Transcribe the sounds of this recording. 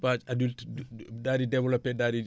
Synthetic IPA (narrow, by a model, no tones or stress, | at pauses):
bat͡ʃadultdaːdidɛvlɔpːɛdaːdi